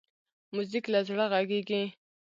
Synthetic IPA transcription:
muziklazɽaɣaɡiɡĩ

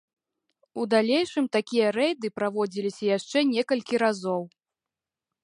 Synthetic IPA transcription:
ud̪alʲejʂɨmt̪akʲijɐɾɛjd̪ɨpɾavɔd͡zʲilʲisʲɐjaʂt͡ʂɛnʲɛkɐlʲkʲiɾazɔw

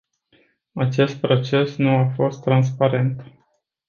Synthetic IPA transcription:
at͡ʃe̞st̪̚pɾo̞t͡ʃe̞snuafo̞st̪ːɾans̬paɾe̞nt̪

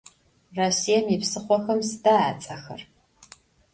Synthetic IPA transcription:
rɐsijɛmipsɨχʷɔxɐmsɨdaaːt͡sʼɐxɐ̰r

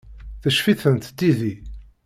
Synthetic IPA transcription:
θəʃfiθənt̪d̪iði

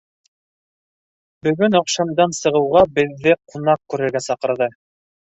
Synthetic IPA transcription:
bɵ̆ɡɵnŏqʃɑmd̪ɑnsɤ̆ʁɤ̆wʁɑbɘ̆ðːɘqunɑq̚kʉɾɘ̆ɾɡæsɑqɤ̆ɾðɤ

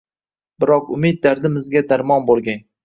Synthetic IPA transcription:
bɪɾɒqʊmed̪̚d̪aɾd̪ɪmɪzɡʲad̪aɾmɒnbolˠɡʲan

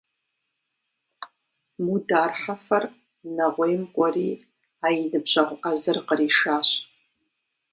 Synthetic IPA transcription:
mudaːrħafɐr | naʁʷejmkʷʼariː | ajinɨbʒʷʼaʁʷʼʔazɨrqəriʂaːɕ

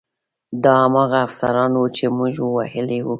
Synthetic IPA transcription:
d̪ɑamɑɣaːfsa̰ɾɑnwut͡ʃemuʒwahɪlewu

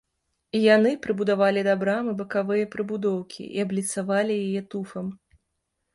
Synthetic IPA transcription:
ijanɨpɾɨbud̪avalʲid̪abɾamɨbɐkavɨjɐpɾɨbud̪ɔwkʲʰḭʔḭablʲit̪savalʲijajɛt̪ufɐm

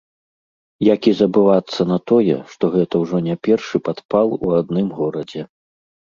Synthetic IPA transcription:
jakʲizɐbɨvat̪sːɐnɐt̪ɔjɛ̰ʂt̪ɔɣɛt̪ɐwʐɔnʲapʲɛrʂɨpat̪palˠuad̪nɨmɣɔɾɐd͡zʲɛ

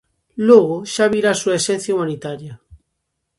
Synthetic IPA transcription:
lweɣoʃaβiɾasuesẽn̟θjaumãnit̪aɾja

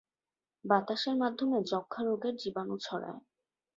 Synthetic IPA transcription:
bat̪aʃeɾmad̪ʱːomed͡ʑɔkʰːaɾoɡeɾd͡ʑibanut͡ɕʰɔɾa̰e

